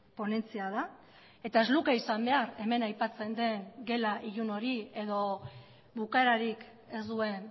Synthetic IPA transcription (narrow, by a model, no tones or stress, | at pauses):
po̞ne̞nt͡siað̞a | e̞t̪ae̞zlukeisambe̞aɾe̞me̞najpat͡se̞nd̪e̞ŋɡe̞laʔiʎuno̞ɾie̞ðo̞ | βukaeɾaɾik | e̞zd̪ue̞n